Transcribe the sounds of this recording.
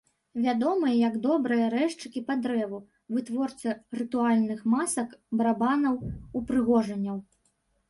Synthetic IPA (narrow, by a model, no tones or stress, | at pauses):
vʲad̪ɔmɨjɐjɐɡd̪ɔbɾɨjɐɾɛʂt͡ʂɨkʲipad̪ɾɛvu | vɨt̪vɔrt̪sɨrɨt̪ualʲnɨxmasɐkbɐɾabanɐwupɾɨɣɔʐɐnʲːɐw